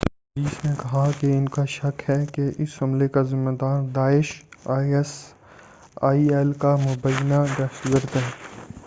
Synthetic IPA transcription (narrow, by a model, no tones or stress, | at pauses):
ɾiːsnẽkɐɦakeɪnkaʃɐkɦɛkeʔɪshɐmlekazɪmːed̪aːɾd̪aːɪʃ | s | aːiɛːlkamʊbəjnaɡ̪ɐszəɾt̪ɦɛː